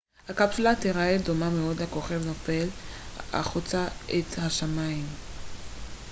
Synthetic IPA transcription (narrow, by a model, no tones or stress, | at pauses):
hakapsulat̪eʁaed̪o̞mameo̞d̪lakoχevnofela̰χut͡saʔet̪haʃamaim